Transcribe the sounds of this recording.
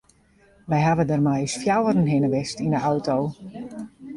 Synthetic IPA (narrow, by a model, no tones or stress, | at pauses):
ʋɛjɦaʋədərmajsfjawərənɦɪnəʋɪstindəʔawtow